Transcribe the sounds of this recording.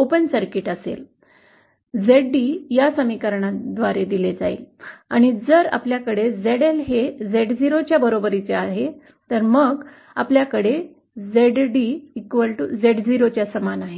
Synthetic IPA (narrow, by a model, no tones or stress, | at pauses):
opənsəɾkiʈəsḛl | d͡zeɖːijasəmikəɾɳad̪ʋaɾed̪iled͡zaḭlaɽ̃id͡zəɾa̰pljakəɽed͡zeɽelɦed͡zeɽd͡ziɾot͡ɕjabəɾobəɾit͡seaɦe | t̪əɾməɡ | a̰pljakəɽe | d͡zeɖɖiːkʋəlʈud͡zeɽd͡ziɾot͡ɕjasəmanaɦe